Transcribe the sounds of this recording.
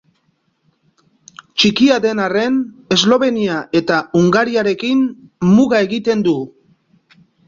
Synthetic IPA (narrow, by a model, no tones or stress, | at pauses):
t͡ʃikiaðe̞nare̞ne̞zlo̞βe̞niaʔe̞t̪auŋɡaɾiaɾe̞kinmuɣae̞ɣit̪e̞nd̪u